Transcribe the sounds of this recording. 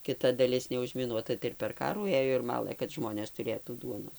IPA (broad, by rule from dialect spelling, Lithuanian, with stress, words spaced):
kʲɪˈtɐ dɐˈlʲɪs nʲɛʊʒʲmʲɪˈnuɔtɐ tɐɪ ɪr pʲɛr ˈkɑːruː ˈeːjoː ɪr ˈmɑːlˠɘ kɐt ˈʒmoːnʲeːs tʊˈrʲeːtuː ˈduɔnoːs